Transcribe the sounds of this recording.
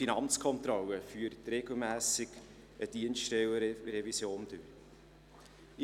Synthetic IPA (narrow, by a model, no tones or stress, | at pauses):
inɑnt͡skʰɔnt̪ɾɔlːəfyːəɾtreɡ̥l̩mæːsɪɡ | ʔəd̥iənstɛwəɾevisjoːnd̥øɾ